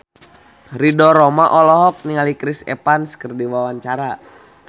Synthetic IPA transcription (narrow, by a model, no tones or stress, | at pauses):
ridɔɾɔmaʔɔlɔɦɔk̚niŋalikɾisɛ̰panskərdiwawaɲt͡ʃaɾa